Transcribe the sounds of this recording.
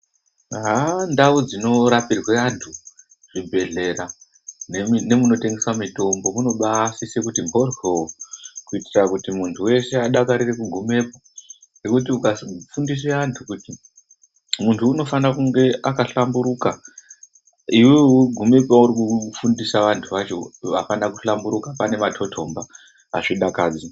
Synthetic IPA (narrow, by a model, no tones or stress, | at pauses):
ɦandaud͡zino̞ɾapirweantʰu | ʐ̥ibʱe̞ɮe̞ɾa | neine̞muno̞te̞ŋɡe̞swamito̞mbo̞muno̞ɓasise̞kutimbʱo̞rwewokuitirakutimuntʰuwe̞se̞aɗakaɾirekuɡʱume̞po | ne̞kut̬iukafundis̬weantʰukuti | muntʰuːno̞fanakuŋɡe̞ʔakaɬambuɾuka | iwiɡʱume̞paurikufundisaʋantʰuʋat͡ʃo̞ʋapanakuɬambuɾukapane̞matʰo̞tʰo̞mba | a̰ʐiɗakaːd͡zi